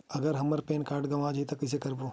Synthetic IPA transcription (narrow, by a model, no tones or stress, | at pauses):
ɐɡəɾɦɐmɐɾpeːnkaːɾʈɡɐʋaːd͡ʒit̪ɐkɐs̬ekɐɾboː